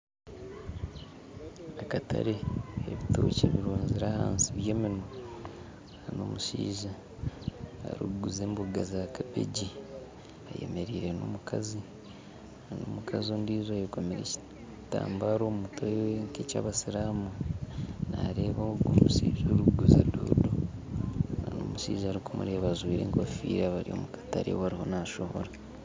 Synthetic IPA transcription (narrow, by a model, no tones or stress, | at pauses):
akatʰa̰ɾeeβito̰ceβiɾoːɲziɾaːhaːnsiβjeːmino | hano̰muʃiːʒa | a̰ɾuuɡuzeːmbuɡazakabḛɟi | a̰jḛme̞ɾiːɾe̞no̰ːmukʰazi | anoːmukazioːndiːzajokwomeɾeci̥ | ta̰ːmbaɾoːmmutʰojŋkeca̰ːβasiɾaːmu | naɾeβaoɡomusiːʒoɾuɡuzado̰ːdo | nano̰ːmuʃiːʒaːɾikumṵɾeβazwiːɾe̞̰ːŋkafiːɾaβaɾio̰ːmukḁtaɾḛβaɾiho̞naʃoho̰ɾa